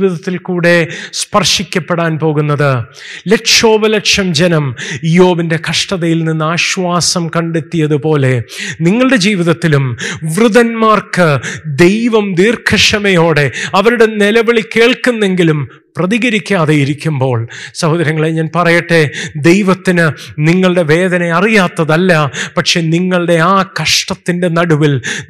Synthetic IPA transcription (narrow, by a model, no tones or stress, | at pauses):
iːʋiðɐt̪ːilkuːɽe̞spɐrʂikʲːɐpːeɽaːnpo̞ːɣunːɐðɨ | leʈʂo̞ːbɐlekʂɐmd͡ʑenɐmijo̞ːbinde̞kʰɐʂʈɐðɐjilninːaːɕʋaːsɐmkɐɳɖet̪ːijɐðɨpo̞ːle̞niŋːɐɭɨɽe̞d͡ʑiːʋiðɐt̪ːilumʋruðɐnmaːrkɨd̪e̞jʋɐmniːrkʰɐʂɐmɐjo̞ːɽe̞ɐʋɐɾuɽe̞nelɐʋɐɭike̞ːɭkunːe̞ŋɡilum | prɐðiɣɐɾikʲːaːðejiɾikʲːumbo̞ːɭsɐhoːd̪ɐɾjɐŋːɐɭeɲaːnpɐrɐjeʈːed̪e̞jʋɐt̪ːinɨniŋːɐɭɨɽe̞ʋe̞ːðɐneɐrijaːt̪ːɐðɐlːɐpɐʈʂe̞ːniŋːɐɭɽe̞aːkɐʂʈɐt̪ːinde̞nɐɽuʋil